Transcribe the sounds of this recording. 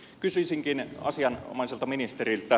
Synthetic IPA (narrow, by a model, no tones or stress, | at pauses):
kysysiŋkinɑ̰siɑn̰mɑˑiselt̪ɑminist̪erilt̪æ